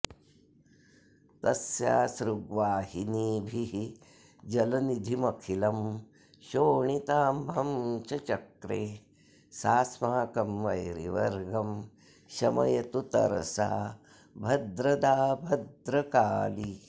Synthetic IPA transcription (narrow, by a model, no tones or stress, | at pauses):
t̪ɐsja̰ːsɾuɡʋaːɦiniːbʱiɦi | d͡ʒɐlɐnid̪ʱimɐkʰilɐm | ʃoːɳit̪aːmbʱɐmt͡ʃɐt͡ʃɐkɾeː | saːsmaːkɐmʋɐjɾḭʋɐɾɡɐm | ʃɐmɐ̰jɐt̪ut̪ɐ̰ɾsa̰ː | bʱɐd̪ɾɐd̪aːbʱɐd̪ɾɐkaːli